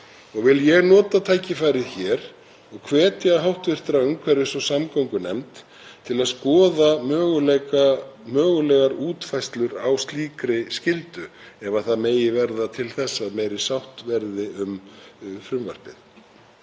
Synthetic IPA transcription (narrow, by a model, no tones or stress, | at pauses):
ɔɣvɪljɛɣnɔːt̪at̪ʰaːjcɪfaːjɾɪðçɛːɾ̥ | ɔɣkʰvɛːt̪ɪaɦawht̪vɪr̥t̪ɾaʏmkʰvɛɾɪsɔsamkawŋkʏnɛmt̪ | t̪ʰɪlaðskɔːðamœːɣʏlɛkamœːɣʏlɛɣaɾuːt̪fajst̪lʏɾawst̪liːkɾɪscɪlt̪ʏ | ɛvaθaðmeːjɪvɛɾðat̪ʰɪlθɛsːaðmeːjɾɪ̥sawht̪vɛɾðɪʔʏmfɾʏmva̰r̥pɪθ